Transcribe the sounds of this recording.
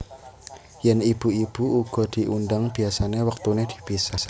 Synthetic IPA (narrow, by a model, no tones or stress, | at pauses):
jɛnib̥ṳib̥uuɡ̥ɔ̤d̪̥i̤ʔundaŋb̥i̤asanewək̚t̪uned̪̥i̥̤b̥isa